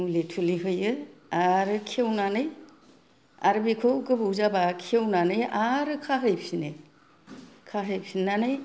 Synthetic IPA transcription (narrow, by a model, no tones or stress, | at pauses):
mulitʰuliɦɯjɯaɾɯkʰewnanɯj | a̰ɾɯbikʰɯwkɯbuwzabakʰiewnanɯjaɾɯkʰaɦɯjpsinɯj | kʰaɦɯjpsinanɯj